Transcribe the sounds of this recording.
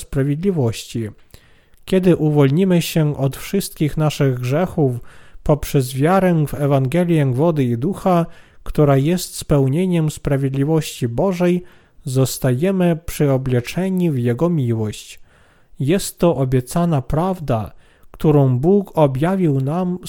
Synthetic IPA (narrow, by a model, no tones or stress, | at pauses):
spɾavʲjed̪lʲivɔɕt͡ɕi | kʲɛd̪ɘʔuvɔlɲimɘɕɛʔɔt̪fʂɘst̪kʲixnaʂɘɣɡʐɛxufpɔpʂɛzvʲjaɾɛvɛvaŋɡɛlʲjɛɡvɔd̪ɘid̪uxakt̪uɾajɛst̪spɛwɲeɲɛmspɾavʲjed̪lʲivɔɕt͡ɕibɔʐɛj | zɔst̪ajɛmɘpʂɘɔblʲɛt͡ʂɛɲivjɛɡɔmʲiwɔɕt͡ɕ | jɛst̪ːɔʔɔbʲjɛt̪sanapɾavd̪a | kt̪uɾɔ̃w̃bukɔbʲjavʲiwnam